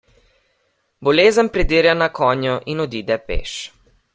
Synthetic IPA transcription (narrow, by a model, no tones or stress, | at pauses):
bɔleːzənpɾɛd̪iːɾjanakʰɔːnjɔʔinɔd̪iːd̪ɛpḛːʃ